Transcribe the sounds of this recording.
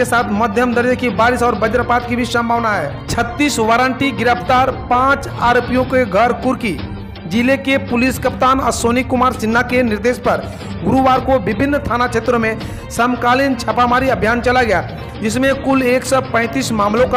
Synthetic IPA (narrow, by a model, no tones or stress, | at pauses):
esaːt̪ʰmɐd̪ʱjəmd̪əɾd͡ʒəkibaːɾɪsɔːɾbəd͡ʒəɾpaːt̪kibʱisə̃mbʱaːʋnaɦɛ̰ː | t͡ʃʰət̪ːiːsʋaːɾə̃ɳʈiɡɪɾəpt̪aːɾpãːt͡ʃ | aːɾopijõkeɡʱəɾkʊɾki | d͡ʒilekepʊlɪskəpt̪aːnɔːɾsoːnikʊmaːɾsɪnːakenɪɾd̪eːʃpɐɾ | ɡʊɾuʋaːɾkoʋɪbʱɪnːt̪ʰaːnakʰeːt̪ɾomẽ | səmkaːlɪnt͡ʃʰɐpaːmaːɾiɐbʱjaːnt͡ʃɐlaɡɐja | d͡ʒɪsmẽkʊleːksɔpə̃ɪt̪iːsmaːmlõka